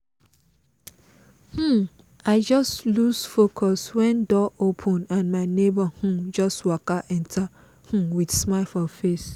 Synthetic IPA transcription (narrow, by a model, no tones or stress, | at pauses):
h̩ | aɪd͡ʒɔstlusfokʰɔswɛ̃ndɔopʰɔ̃nãnmaɪnebah̩d͡ʒɔstwakaʔɛ̃ntʰa | h̩widsmaɪlfɔfes